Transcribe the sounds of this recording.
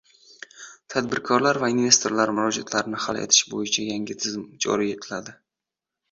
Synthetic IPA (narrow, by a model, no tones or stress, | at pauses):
t̪ʰad̪bɪɾkʰɒɾlaɾvainve̞st̪ʰo̞ɾlaɾmʊɾɒd͡ʒat̪ʰlaɾɪnɪha̰lˠḛt̪ʰɪ̥ʃbojɪt͡ʃʰajaŋɡʲɪt̪ʰɪzɪmd͡ʒɒ̰ɾie̞t̪ʰɪlad̪ɪ